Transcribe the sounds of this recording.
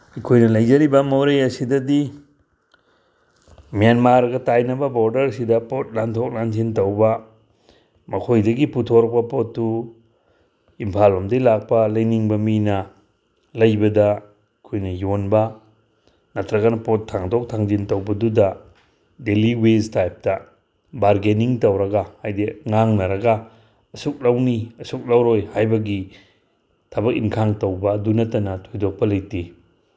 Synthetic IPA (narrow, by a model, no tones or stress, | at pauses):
ikʰojnɐlɐjd͡ʒɐɾibɐmowɾejɐsidɐdi | mijanmaɾɡɐtajnɐbɐboɾdɐɾsidɐpot̚lantʰok̚lanzintɐwbɐ | mɐkʰojdɐɡiputʰoɾɔk̚pɐpotːu | impʰalɐmdɐjlak̚pɐlɐjniŋbɐminɐ | lɐjbɐdɐ | kʰojnɐjonbɐ | nɐtʰɾɐɡanɐpotʰːaŋdɔk̚tʰaŋd͡ʒintɐwbɐdudɐ | deliweztajp̚tɐ | baɾɡeniŋtɐwɾɐɡahajdeŋaŋnɐɾɐɡɐː | suk̚lɐwniɐsuk̚lawɾojhajbɐɡi | tʰɐbɐk̚inkʰaŋtɐwbɐdunɐtɐnɐtʰojdok̚pɐlɐjti